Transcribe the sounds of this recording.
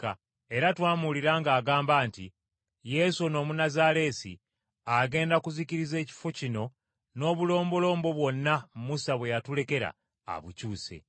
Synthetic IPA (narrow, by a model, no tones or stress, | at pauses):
a | e̞ɾatwaːmuliɾaːŋɡaːɡaːmbaːntḭ | je̞suno̞ːmunazaɾe̞ːsḭ | aɡe̞ːndakuziciɾize̞ːci̥focino̞ | no̞ːβulo̞ːmbo̞lo̞ːmbo̞βwo̞nːamumusaβwe̞jatule̞ke̞ɾa̰ː | βucuːse̞̰